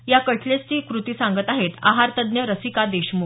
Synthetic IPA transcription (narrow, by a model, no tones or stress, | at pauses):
jakəʈʰlet͡st͡ɕiːkɾut̪iːsãŋɡət̪aɦet̪a̰ɦaɾt̪əd̪njəɾəsikad̪eɕmu